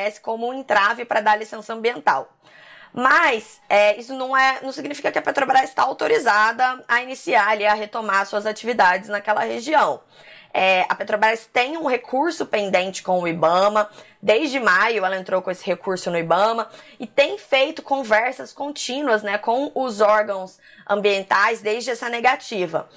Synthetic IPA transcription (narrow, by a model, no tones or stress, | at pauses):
ɛsɪ̥kõmʊũẽnt̪ɾavʊpɾɐd̪aɾlisẽsɐ̃mbiẽnt̪aw | mɐsɛisʊnɐ̃w̃ɛnɐ̃w̃siɡnifikɐkɪɐpet̪ɾobɾazst̪aawt̪oɾizad̪ɐɐinisiaɾliɐɦet̪omaɾsuɐzat͡ʃivid̪ad͡ʒɪznɐkɛlɐheʒiɐ̃w̃ | ɛɐ̰pet̪ɾobɾast̪ẽj̃ũɦekʰuɾsʊpẽnd̪ẽnt͡ʃɪ̥kõw̃ʊibɐ̃mɐ | d̪ejzd͡ʒɪmajʊɛlɐẽnt̪ɾowkõesɪ̥hekuɾsʊnʊibɐ̃mɐɪt̪ẽj̃fejt̪ʊ̥kõvɛɾsɐskõnt͡ʃĩnuɐznɛkõw̃ʊzɔɾɡɐ̃w̃s | ɐ̰̃mbiẽnt̪ajzd̪ejzd͡ʒɪɛsɐneɡat͡ʃivɐ̰